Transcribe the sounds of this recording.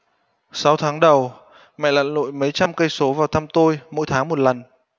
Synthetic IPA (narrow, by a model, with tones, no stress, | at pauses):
sa˨˦wt̪ʰaː˨˦ŋɗə˨˩w | mɛ̰˧˨la̰ː˧˨nlo̰˧˨jmə˨˦jt͡ɕa˧mkə˧jso˨˦vaː˨˩wt̪ʰa˧mt̪o˧jmo̰˧˥jt̪ʰaː˨˦ŋmo˨˩t̚lə˨˩n